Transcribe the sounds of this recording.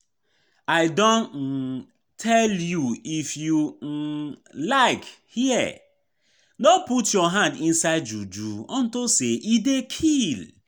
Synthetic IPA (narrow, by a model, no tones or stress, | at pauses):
aɪdɔ̃n̩ | tʰɛljuifju | laɪkhiɛ | noputjɔɦãndĩnsaɪdd͡ʒud͡ʒuɔ̃ntoseʔidekʰil